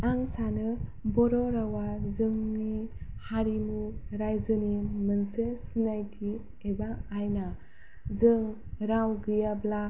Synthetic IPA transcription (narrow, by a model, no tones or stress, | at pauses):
aŋsanɯbɔɾɔɾawazɯŋnihaɾimuɾajzɯnimɯnsesinajtʰi | ebaːjna | zɯŋ | ɾawɡɯjabla